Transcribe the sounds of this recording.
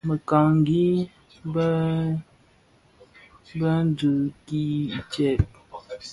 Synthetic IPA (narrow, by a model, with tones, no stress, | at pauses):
mə˨ka˨ŋŋ˦ɡi˦ | b | bə˦n˦dɨ˨ki˦i˨t͡ʃɛ˨p̚